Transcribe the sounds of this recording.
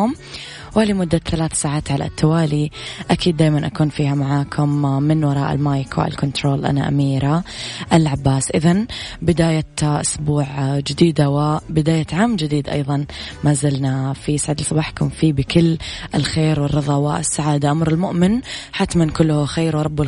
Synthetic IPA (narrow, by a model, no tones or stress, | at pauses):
ʊm | walimʊd̪ːaθalaːθsaːʕaːt̪ʕala̰t̪ːawaːliʔakiːd̪ːaːjmanʔakuːnfiːhamaʕaːkʰʊmːɪnwɑɾˤɑ̰ːʔɪ̰lmaːjkwɪ̰a̰lkʊnt̪ɾoːlʔa̰na̰ʔa̰miːɾaʔalʕabːaːsʔɪðanbɪd̪aːjaʔʊsbuːʕd͡ʒɪd̪iːd̪awɪbɪd̪aːjaʕaːmd͡ʒɪd̪iːd̪ʔɑ̰jðˤɑn | maːzɪlnafiʔsʕaːd̪ɪlsˤɑbaːħkʊmfiːbɪkɪlːʔɪlxeːɾwɪrːɨðˤɑwaʔɪsːaʕaːd̪aʔamɾɪlmʊʔmɪnħat̪ːmɪnkʊlːʊhxeːɾwɑɾˤɑbːʊ